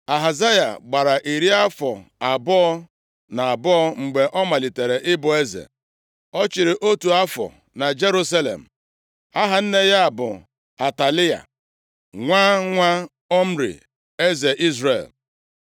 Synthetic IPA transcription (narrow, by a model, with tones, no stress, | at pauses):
a˨ɦa˨za˦ja̰˨ɡ͡ba˨ɾa˨ʔi˨ɾi˦a˦fɔ̰˨a˨bɔ˦ɔ˦ | na˨a˨bɔ˦ɔ˦ŋ͡m̩˨ɡ͡be˨ʔɔ˦ma˨li˨te˨ɾe˨ʔɪ˦bʊ˨e˦zḛ˨ | ɔ˦t͡ʃɪ˨ɾɪ˨ʔo˦tu˨a˦fɔ̰˨ | na˨d͡ʒe˦ɾu˦sa˦lḛ˨m̩˨ | a˦ɦa˨n̩˦ne˦ja˦a˨bʊ̰˨ | a˨ta˨li˦a̰˨ | ŋʷa˦ŋʷa˦ | ɔ˦m̩˦ɾḭ˨ | e˦ze˨ʔi˦zɾḛ˨l